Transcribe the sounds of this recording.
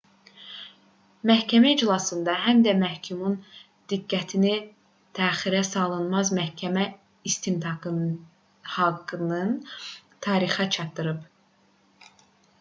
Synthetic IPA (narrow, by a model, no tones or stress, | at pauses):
mæhcʰæmæid͡ʒlˠɑsɯnd̪ɑɦæmd̪æmæhcʰumun | d̪̥iɡːæt̪ʰini | t̪ʰæːχiɾæsɑlˠɯnmɑzmæhcʰæmæ | ist̪ʰint̪ʰɑɡɯ | hɑɡːɯnɯnt̪ʰɑːɾiχæt͡ʃʰɑt̪ːɯɾɯp